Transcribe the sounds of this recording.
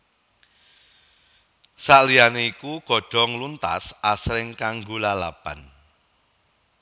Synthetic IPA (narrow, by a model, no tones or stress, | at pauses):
saʔlianeikuɡ̥ɔ̤ɖ̥ɔ̤ŋlunt̪a̰sasɾɪŋkaŋɡolalapan